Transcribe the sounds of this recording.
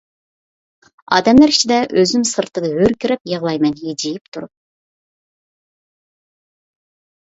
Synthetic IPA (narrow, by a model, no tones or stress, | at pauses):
ɑ̰ːd̪ɛmlæɾi̥t͡ʃʰid̪ɛʔøzymsɨɾt̪ʰɨd̪ɨɦøɾkʲiɾɛp̚jəʁlˠɑjmɛnɦid͡ʒijipt̪ʰuɾup̚